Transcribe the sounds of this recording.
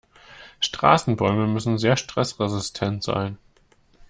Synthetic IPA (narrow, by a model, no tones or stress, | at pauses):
ʃtʁ̥a̰ːsn̩bɔʏməmʏsn̩zeːɐʃtʁ̥ɛsʁezɪstʰɛntz̥a̰ɪn